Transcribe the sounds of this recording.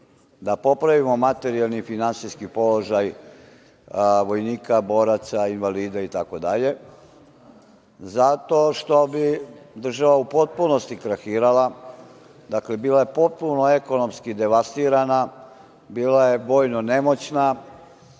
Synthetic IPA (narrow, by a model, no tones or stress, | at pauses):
d̪apo̞pɾaʋimo̞mat̪e̞ɾijalˠnifinansiskipo̞loʒaj | ʋo̞jniːkabo̞ːɾat̪sainʋaliːd̪ait̪ako̞d̪aʎe̞ | zat̪o̞ʃt̪o̞bid̪r̩ʒaʋaupo̞t̪̚puno̞st̪ikɾaxiːɾala | d̪akle̞biːlaje̞po̞t̪̚punoe̞ko̞no̞mskid̪e̞ʋast̪iːɾana | biːlaje̞ʋo̞ːjnone̞mo̞t͡ɕna